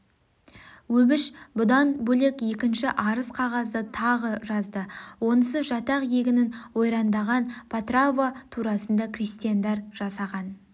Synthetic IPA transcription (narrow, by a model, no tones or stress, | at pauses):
wɵbɪʃbʊd̪ɑnbɵle̞kje̞kʲɪnʃɪʔɑɾəsqʰɑʁɑzd̪ət̪ʰɑʁəʒɑzd̪əwo̞nəsəʒɑt̪ɑqje̞ɡʲɪnɪnwo̞jɾɑnd̪ɑʁɑnpʰat̪ravat̪ʰuɾɑsənd̪ɑkʰrist̪ijand̪ɑɾʒ̥ɑsɑʁɑn